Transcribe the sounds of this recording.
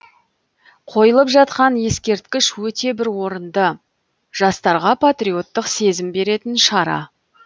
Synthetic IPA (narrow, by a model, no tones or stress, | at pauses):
qʰo̞jəlˠəpʒɑt̪̚qɑnje̞skʲe̞ɾt̪̚kʲɪʃwɵt̪e̞bɪɾwo̞ɾənd̪ə | ʒ̥ɑst̪ɑɾʁɑpʰat̪rio̞t̪ːəqse̞zɪmbe̞ɾe̞t̪ɪnʃɑɾɑ̰